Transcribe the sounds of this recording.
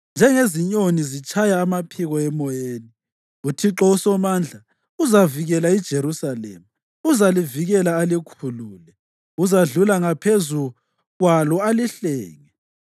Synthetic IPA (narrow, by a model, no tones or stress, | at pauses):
nd͡ʒʱɛŋeziɲonizit͡ʃʼajaːmapʰiɣɔɛmɔjeːni | utʰiǁɔusɔmand͡ɮʱa | uzaviɣɛlaid̥ʒ̥ʱeɾusalɛ̰ːma | uzaliviɣɛlaːlikʰuluːlɛ | uzaɮulaŋapʰezu | ɣwalɔaliɬɛːŋɛ